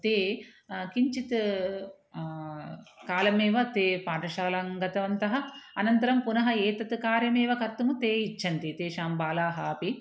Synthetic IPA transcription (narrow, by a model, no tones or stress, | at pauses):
t̪eːkiɲt͡ʃit̪ | kaːlɐmeːʋɐt̪eːpaːʈɐʃaːlɐŋɡɐt̪ɐʋɐnt̪ɐɦɐɐnɐnt̪ɐɾɐmpunɐɦɐeːt̪ɐt̪ukaːɾjɐmeːʋɐkɐɾt̪ːumut̪eːit͡ʃʰːɐnt̪it̪eːʃaːmbaːlaːɦaːpi